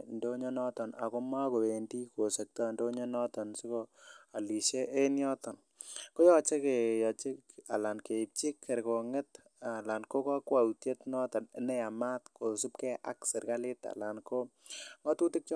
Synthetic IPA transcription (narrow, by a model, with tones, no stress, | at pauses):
ndo˦ɲɔ˦nɔ˦tɔ˨na̰˨ko˦ma˦ko˨we˨ndi˦ko˨se˨k̚tɔ˦ndo˦ɲɔ˦nɔ˦tɔ˨nsi˦ko˦a˨li˨ʃe˦ʔːnjɔ˦tɔ˨n | ko˦jɔ˦t͡ʃe˦ke˨jɔ˨t͡ʃɪ˦a˨la˨nke˨i˨p̚t͡ʃi˦kʰːɛ˨ɾko˨ŋe˦t | a˨la˨nko˦kɔ˦kwa˨utje˦tnɔ˦tɔ˨ne˨˦nɛ˦a˨ma˦tko˨su˦p̚kɛ˦ʔa̰˦ksɪ˨ɾka˦lɪ˦ta̰˨la˨nko˦ | ŋɔ˦tu˦tɪ˦k̚t͡ʃ